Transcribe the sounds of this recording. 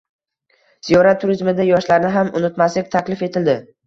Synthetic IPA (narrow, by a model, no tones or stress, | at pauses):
z̥ijɒɾat̪ʰːʊɾizmɪd̪ajɒʃlaɾnɪɦamʊnɪt̪maslɪk̚ʲt̪ʰakʲlɪfe̞t̪ʰɪld̪ɪ